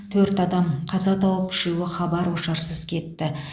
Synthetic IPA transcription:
t̪ʰɵɾt̪ɑd̪ɑmqʰɑzɑt̪ʰɑwəp̚ɪ̥ʃuwɪχɑbɑɾwoʃɑɾsəzkʲʰe̞t̪ːɪ

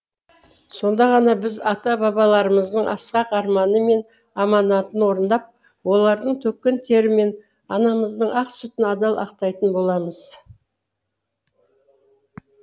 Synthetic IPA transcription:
so̞nd̪ɑʁɑnɑbɪzɑt̪ɑbɑbɑlˠɑɾəməzd̪əɴɑ̰sqɑqɑɾmɑnəme̞n | ɑmɑnɑt̪ənwo̞ɾənd̪ɑp̚ | wo̞lˠɑɾd̪əɴt̪ʰɵkʲːent̪ʰe̞ɾɪme̞n | ɑnɑməzd̪əɴɑqsʏt̪ɪnɑd̪ɑlˠʔɑ̰qt̪ɑjt̪ənbo̞lˠɑməz̥

